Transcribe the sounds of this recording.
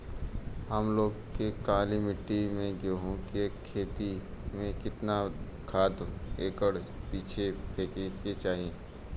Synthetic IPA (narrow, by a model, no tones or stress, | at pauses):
ɦəmloːɡkːekaːlimɪʈːimẽɡoːɦõkekʰeːt̪imẽkɪt̪na | kʰaːd̪eːkəɽ | piːt͡ʃʰekʰeːkeet͡ʃaːɦiẽː